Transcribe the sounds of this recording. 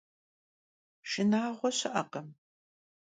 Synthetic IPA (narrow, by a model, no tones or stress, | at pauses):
ʃɪnaːʁʷɔɕɪʔɐqɐm